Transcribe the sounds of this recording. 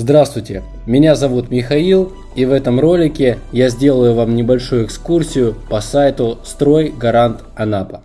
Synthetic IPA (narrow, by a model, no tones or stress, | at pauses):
zd̪ɾast̪vʊjtʲɪ | mʲɪnʲazɐvut̪mʲɪxɐilˠ | ivɛt̪əmro̞lʲɪkʲɪjazʲdʲe̞lˠəjʊvamnʲɪbɐlʲʂujʊɪkskursʲɪjʊpɐsajt̪ʊst̪ɾo̞jɡɐɾant̪ | ɐnapə̥